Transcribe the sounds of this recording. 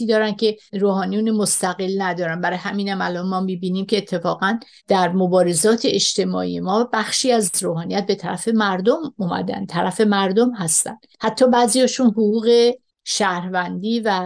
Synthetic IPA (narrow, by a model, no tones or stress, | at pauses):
iːd̪ɒːɾæncʰe̞ɾoːhɒːnijuːnemost̪æɣe̞lnæd̪ɒːɾænbæɾɒːjehæmiːnæmælɒnmɒːmiːbiːniːmcʰe̞ːt̪ʰːe̞fɒːɣæn | d̪̥æɾmobɒːɾe̞zɒːt̪ʰeeʃt̪e̞mɒ̰ːʔḭje̞mɒːbæxʃiːæzroːhɒːnijæt̪̚be̞t̪ʰæɾæfe̞mæɾd̪omuːmæ̰d̪æ̰nt̪ʰæɾæfe̞mæɾd̪omɦæst̪æ̰nd̪̥hæt̪ʰːɒːbæːzijɒːʃunɦoɣuːɣe̞ | ʃæɾvænd̪iːvæ